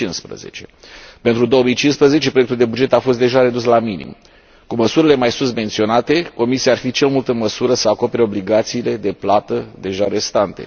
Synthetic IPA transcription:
inspɾə̰ze̞̰t͡ʃe̞pe̞nt̪ɾud̪o̞wəmijt͡ʃinspɾəze̞t͡ʃe̞pɾoek̚t̪uld̪e̞bud͡ʒe̞t̪afo̞st̪d̪e̞ʒaɾe̞d̪uslaminḭm | kuməsuɾile̞majsunt̪ment̪sio̞nat̪e̞ko̞misiaːrfit͡ʃe̞lmult̪əɨnməsuɾəsəako̞pe̞ɾeobliɡat̪siːle̞d̪e̞plat̪əd̪e̞ʒaɾe̞st̪ant̪e̞̰

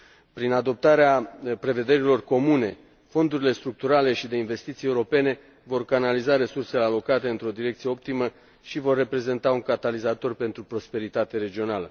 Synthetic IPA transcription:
pɾinad̪o̞p̚t̪aɾeapɾe̞ve̞d̪e̞ɾilo̞rko̞mune̞ | fo̞nd̪uɾile̞st̪ɾuk̚t̪uɾale̞ʃid̪e̞inve̞st̪it̪sije̞uɾo̞pe̞ne̞ | vo̞rkanalizaɾe̞surse̞lealo̞kat̪e̞ɨnt̪ɾo̞d̪iɾe̞kt̪sieo̞p̚t̪imə | ʃivo̞rːe̞pɾe̞ze̞nt̪auŋkat̪alizat̪o̞rpe̞nt̪ɾupɾo̞spe̞ɾit̪at̪eɾe̞d͡ʒio̞nalə

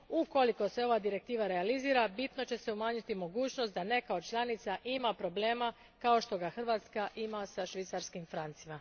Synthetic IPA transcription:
uko̞liko̞se̞o̞ʋad̪iɾe̞k̚t̪iːʋaɾe̞aliziːɾabit̪no̞t͡ɕe̞se̞umaːɲut̪imo̞ɡuːt͡ɕno̞st̪̚d̪ane̞kaot͡ʃlˠanit̪saʔimapɾo̞ble̞ːma | kao̞ʃt̪o̞ɡaxr̩ʋaːt̪skaʔimasaʃʋit̪saɾskimfɾant̪sima

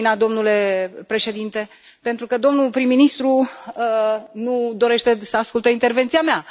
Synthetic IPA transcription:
nad̪o̞mnule̞pɾe̞ʃe̞d̪int̪e̞ | pent̪ɾukəd̪o̞mnupɾimːinist̪ɾu | nud̪o̞ɾe̞ʃt̪e̞səaskult̪əint̪e̞rve̞nt̪siamea

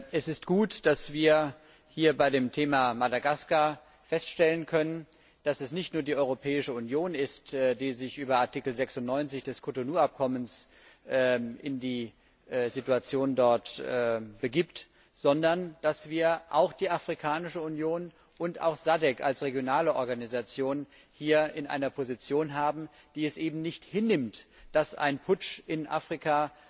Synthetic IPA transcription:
ʔɛsɪst̚ɡ̥uːtd̥asv̥iːɐ | hiːɐbaɪdeːmtʰeːmamadaɡaska | fɛstʃtɛlənkʰœnən | d̥asɛsnɪçtnuːɐdiːʔɔʏʁopʰɛːɪʃəunjoːnɪstːdiːzɪçʔyːbɐaɐtʰikl̩zɛksʊntnɔʏnt͡sɪçd̥ɛskʰotonuːap̚kʰɔməns | ʔʔɪ̰ndiː | zituat͡sjoːndɔɐtɛːbəɡiːpt | z̥ɔndɐnd̥asv̥iːɐʔaʊxd̥iːafʁ̥ikʰaːnɪʃəunjoːn | ʔʊnta̰ʊxz̥adɛka̰lsʁeɡjonaːləʔɔɐɡanizat͡sjoːn | hiːɐɪnʔa̰ɪnɐpʰozit͡sjoːnɦaːbm̩ | d̥iːɛsʔeːbm̩nɪçthɪnːɪmtd̥asa̰ɪnpʰʊt͡ʃʔɪnʔa̰ːfʁ̥ikʰa

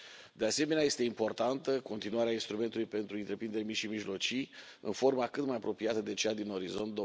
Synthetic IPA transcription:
d̪ease̞me̞neaje̞st̪e̞impo̞rt̪ant̪əko̞nt̪inuaɾeainst̪ɾume̞nt̪ulujpe̞nt̪ɾuɨnt̪ɾe̞pɾind̪e̞ɾʲmiʃimiʒlo̞t͡ʃij | ɨ̰nfo̞rmakɨt̪majapɾo̞piat̪əd̪e̞t͡ʃejad̪ino̞ɾizo̞nt̪̚d̪o

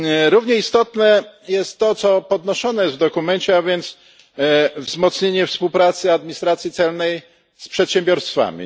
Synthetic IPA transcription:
ɾuvɲɛist̪ɔt̪nɛjɛst̪ːɔt̪sɔpɔd̪nɔʂɔnɛjɛst̪vd̪ɔkumɛɲt͡ɕɛavʲjɛnt̪s | vzmɔt̪sɲeɲɛfspuwpɾat̪sɘad̪̚mʲiɲist̪ɾat̪sʲjit̪sɛlnɛj | spʂɛt̪ɕɛmbʲjɔɾst̪fa̰mʲḭ

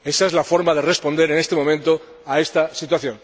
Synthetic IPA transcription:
e̞saezlafo̞ɾmaðe̞re̞spo̞nd̪e̞ɾene̞st̪e̞mo̞mẽnt̪o̞ | ae̞st̪asit̪̬waθjo̞n

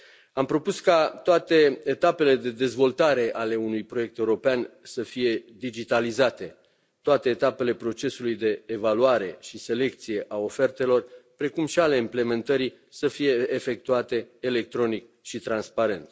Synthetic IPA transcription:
ampɾo̞puskat̪oat̪e̞et̪ape̞le̞d̪e̞d̪e̞zvo̞lt̪aɾe̞ʔale̞unujpɾoje̞k̚t̪e̞uɾo̞peansəfije̞d̪id͡ʒit̪alizat̪e̞ | t̪oat̪e̞ːt̪ape̞le̞pɾo̞t͡ʃe̞sulujd̪e̞ːvaluaɾe̞ʃise̞le̞kt̪sije̞ʔao̞fe̞rt̪e̞lo̞rpɾe̞kumʃiale̞imple̞me̞nt̪əɾi | səfije̞ʔːfe̞k̚t̪uat̪e̞ːle̞k̚t̪ɾo̞nik | ʃit̪ɾanspaɾe̞nt̪

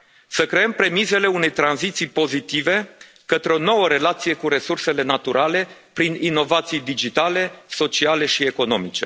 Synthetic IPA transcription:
səkɾe̞əmpɾe̞mize̞le̞une̞jt̪ɾanzit̪sijpo̞zit̪ive̞ | kət̪ɾeo̞no̞wəɾe̞lat̪sije̞kuɾe̞surse̞le̞nat̪uɾʔale̞pɾinino̞vat̪sijd̪id͡ʒit̪ale̞so̞t͡ʃiale̞ʃie̞ko̞no̞̰mit͡ʃe̞̰

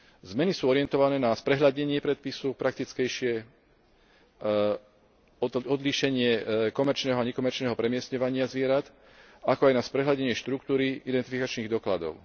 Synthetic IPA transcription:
zmɛnisuːɔɾɪɛnt̪ɔʋanɛːnaspɾɛɦʎaɟɲɛɲɪɛpɾɛt̪̚pisupɾak̚t̪it͡skɛjʃɪɛ | ɔd̪liʃɛɲɪɛkɔmɛɾt͡ʃnɛːɦɔaɲɛkɔmɛɾt͡ʃnɛːɦɔpɾɛmɪɛsɲɔʋaɲɪazʋɪɛɾat̪ | akɔajnaspɾɛɦlaɟɛɲɪɛʃt̪ɾuk̚t̪uːɾiid̪ɛnt̪ifikat͡ʃniːɣd̪ɔkla̰d̪ɔ̰ʊ

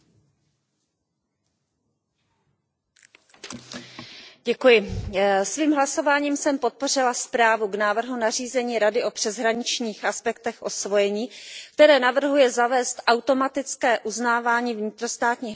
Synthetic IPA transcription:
ɟɛkujɪsviːmɦlaso̞vaːɲiːmsɛmpo̞t̪̚po̞r̝ɪlaspɾaːvuɡnaːvr̩ɦunariːzɛɲiːɾadɪʔo̞pr̥ɛzɦɾaɲɪt͡ʃɲiːxʔaspɛkt̪ɛxʔo̞svo̞jɛɲiːk̚t̪ɛɾɛːnavr̩ɦujɛzavɛːst̪ʔawt̪o̞mat̪ɪt͡skɛːʔuznaːvaːɲiːvɲɪt̪ɾo̞st̪aːt̪ɲiː

